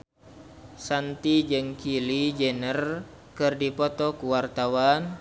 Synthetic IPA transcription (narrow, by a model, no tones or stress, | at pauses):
sant̪id͡ʒɨŋkilid͡ʒənər | kɨrdipɔt̪ɔkuwart̪awan